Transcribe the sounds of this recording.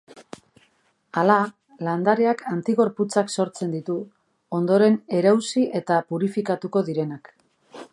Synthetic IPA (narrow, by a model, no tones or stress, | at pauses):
ala | land̪aɾe̞akʰant̪iɣo̞ɾput͡sakso̞ɾt͡se̞nd̪it̪u | o̞nd̪o̞ɾe̞ne̞ɾawsiʔe̞t̪apuɾifikat̪uko̞ðiɾe̞nak